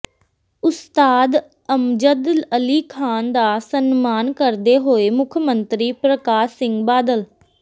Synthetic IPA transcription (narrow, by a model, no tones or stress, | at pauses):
ʊst̪aːd̪ | əmd͡ʒəd̪ləliːkʰaːnd̪aːsənmaːnkəɾd̪eːɦoːeːmʊkʰmənt̪ɾiːpɾəkaːsːɪŋɡbaːd̪əl